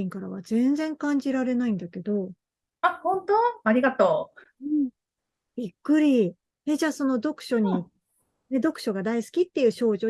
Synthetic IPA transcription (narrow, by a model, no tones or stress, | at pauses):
ĩŋkaɾa̰βazẽ̞nd͡zẽ̞ŋkãɲ̟d͡ʑiɾaɾe̞naĩnd̪ake̞d̪o̞ | ahõ̞nt̪oaɾʲiɡat̪oː | ɯ̟̃ɴ | b̥ʲikːɯ̟ɾʲi | ed͡ʑaːso̞no̞d̪o̞kɯ̟̥ɕo̞ɲ̟i | ne̞d̪o̞kɯ̟ɕo̞ɡad̪aisɨ̥kʲit̪ːe̞jɯ̟ːɕo̞ːʑo̞ː